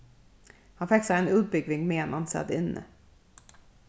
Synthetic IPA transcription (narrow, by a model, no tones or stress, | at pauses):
hanfɛksaɛnɵbʏɡvɪŋmeːnʔansɛ̰d̪ɪnːə̰